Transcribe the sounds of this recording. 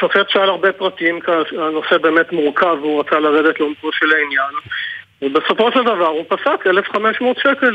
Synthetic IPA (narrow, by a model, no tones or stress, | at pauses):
sofetʃalaʁbepʁat̪imkano̞sebe̞ːmet̪muʁkavuʁat͡salaʁed̪et̪leomkoʃelainjanvebeso̞fo̞ʃeld̪avaʁupasakelefχameʃmot̪ʃekel